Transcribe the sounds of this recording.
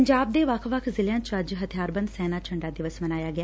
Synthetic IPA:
əɲd͡ʒaːb̚d̪eːʋəkʰʋəkʰzɪljãːt͡ʃəd͡ʒɦət̪ʰijaːɾbə̃nd̪sɛːnaːt͡ʃʰəɳɖaːd̪ɪʋəsmənaːjaːɡɪaː

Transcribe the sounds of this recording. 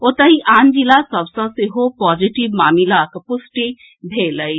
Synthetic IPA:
ot̪əɦiʔaːnd͡ʒilasəbsə̃seɦopɔːd͡ʒiʈibmaːmilakepʊsʈi | bʱeləi

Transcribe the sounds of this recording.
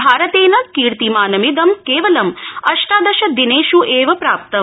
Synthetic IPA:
bʱaːɾɐt̪eːnɐkiːɾt̪imaːnɐmid̪ɐmkeːʋɐlɐmɐʂʈaːd̪ɐʃɐd̪ineːʃuʔeːʋɐpɾaːp̚t̪ɐm

